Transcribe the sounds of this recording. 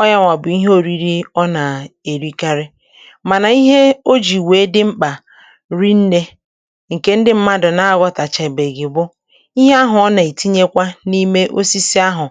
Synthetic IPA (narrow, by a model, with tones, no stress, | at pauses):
ɔ˦ja˦ŋʷa˨bʊ˨i˦ɦo˦ɾi˨ɾi˦ɔ˦na˨e˨ɾi˦ka˦ɾɪ˦ | ma˨na˨i˦ɦe˦o˦d͡ʒi˨weː˨˦dɪ˦ŋ͡m̩˦k͡pa˨ | ɾi˦n̩˦ne˦ | ŋ̩˨ke˦n̩˦dɪ˦m̩˦ma˦dʊ˨na˦a˦ɡɔ˦ta˨t͡ʃe˨be˨ɡɪ˨bʊ˦ | i˦ɦe˦a˦ɦʊ˨ɔ˦na˨i˨ti˦ɲe˦kʷa˦ni˦me˦ʔo˦si˦si˦a˦ɦʊ˨